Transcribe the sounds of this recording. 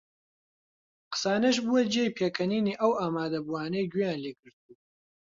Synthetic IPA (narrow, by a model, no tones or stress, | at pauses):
qɨ̥saːnɐʃ̬buːwɐd͡ʒejpʰeːkʰɐniːniːʔɐwaːmaːd̪ɐbuaːnɐjɡijaːnleːɡɨɾt̪̚uː